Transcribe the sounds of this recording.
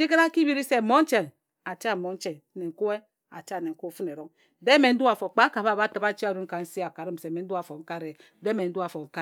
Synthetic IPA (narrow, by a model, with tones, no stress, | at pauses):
d͡ʒi˦ke˦ɾa˦ki˦bi˦ɾi˦se˦˨mo˦n̩˦t͡ʃe˨n | a˨t͡ʃa˦˨mo˨˦n̩˦t͡ʃe˨n˦ne˨ŋ̩˨ku˦e˦ | a̰˨t͡ʃa˦˨ne˨ŋ̩˨ku˦˨˦fu˦ne˨ɾo˦ŋ˦ | de˦me˨n̩˦du˦a˨fo˨k͡pa˦ka˨βa˦˨ba˦tɨ˨ba˦t͡ʃi˦a˨ɾu˦n˦ka˨n̩˦si˦a˨ka˨ɾɨ˦m̩˨se˨me˨n̩˦du˦a˨fo˨ŋ̩˦ka˦ɾe˨˦de˦me˨n̩˦du˦a˨fo˨ŋ̩˦ka˦